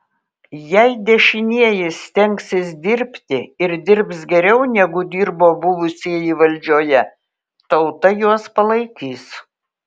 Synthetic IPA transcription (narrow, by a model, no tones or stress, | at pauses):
jɛɪd̪ʲɛʃʲɪnʲiɛjɪst̪ʲɛŋʲksʲɪsd̪ʲɪɾʲpʲt̪ʲɪɪɾd̪ʲɪɾpsɡʲɛɾʲɛʊnʲɛɡʊd̪ʲiːɾboːbʊʋʊsʲiːjiʋɐlʲd͡ʒʲoːjɛ | t̪ɐʊt̪ɐjuɔspɐlˠɐɪkʲiːs